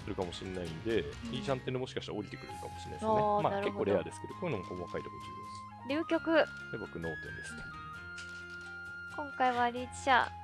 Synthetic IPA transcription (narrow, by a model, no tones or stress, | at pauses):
ɯɾɯ̟kamo̞ɕinnːaind̪e̞iːt͡ɕãnt̪ːenemo̞ɕi̥kaɕi̥t̪aoɾʲit̪e̞kɯ̟ɾɯ̟ɾɯ̥kamo̞ɕiɾin̰snemanaɾɯkekooːɾead̪e̞sɨ̥ke̞d̪okoɯnomokomakait̪ahot̪id̪e | ɾʲɨːkʲo̞kɯ̟ | ebokɯ̟no̞ːt̪ẽ̞̰nd̪e̞sɨ̥ne | kõ̞ŋkaiβaɾʲiːt͡ɕi̥ɕa̰